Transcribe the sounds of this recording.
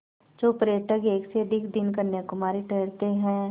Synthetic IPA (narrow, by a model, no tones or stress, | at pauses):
d͡ʒoːpɾeːʈəɡeːkseəd̪ʱɪkʰd̪ɪnkɐɾnjekʊmaːɾiʈeːɾt̪eɦɛ̃ː